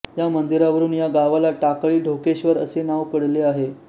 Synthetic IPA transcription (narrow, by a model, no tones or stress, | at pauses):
jamənd̪iɾaʋəɾuːnjaɡaʋalaʈakɭiːɖʱokeɕʋəɾə̰senaʋpəɽleaɦe